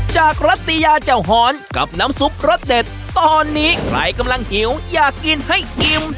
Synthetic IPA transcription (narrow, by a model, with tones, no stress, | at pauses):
t͡ɕaː˨˩k̚ɾa˦˥t̪ːi˧jaː˧t͡ɕa˨˩wɦɔː˨˩˦nka̰˨˩p̚naː˦˥msu˦˥p̚ɾo˦˥t̪̚de˨˩t̪̚ːɔː˧nːiː˦˥kʰɾla̰˧˩jka˧mla˧ŋhi˩˦wjaː˨˩kːi˧nha˥˩jʔi˧m